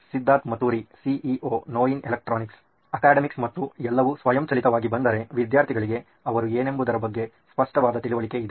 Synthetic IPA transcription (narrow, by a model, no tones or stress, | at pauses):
sid̪ːaːt̪mɐt̪uːɾisiʔiʔoːnoːjinelɐk̚ʈɾoːniks | ɐkaːɖɐmiksmɐt̪ːuɛlːɐʋusʋɐjɐmt͡ʃɐlit̪ɐʋaːɡibɐnd̪ɐɾe̞ʋid̪jaːɾt̪ʰiɡɐɭiɡe̞ | ɐʋɐɾueːne̞mbud̪ɐɾɐbɐɡːe̞ | spɐʂʈɐʋaːd̪ɐt̪iɭuʋɐɭike̞id̪e